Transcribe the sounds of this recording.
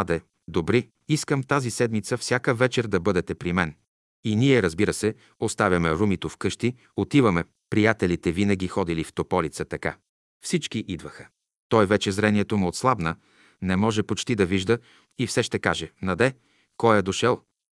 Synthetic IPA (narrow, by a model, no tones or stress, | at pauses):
ad̪ɛ | d̪obɾi | iskəmt̪azisɛd̪mit̪səfsʲjakəvɛt͡ʃɛɾd̪ɐbɤd̪ɛt̪ɛpɾimɛn | iniɛɾəzbiɾəsɛ | ost̪avʲɐmɛɾumit̪ofkɤʃt̪i | ot̪ivəmɛ | pɾijat̪ɛlit̪ɛvinəɡʲixɔd̪ilift̪opɔlit̪sət̪ɐka̰ | fsit͡ʃkiʔid̪vəxə̥ | t̪ɔjvɛt͡ʃɛzɾɛniɛt̪omuot̪slˠabnə | nɛmɔʒɛpot͡ʃt̪id̪ɐviʒd̪ə | ifsɛʃt̪ɛkaʒɛnɐd̪ɛ | kɔjɛd̪oʃɛlˠ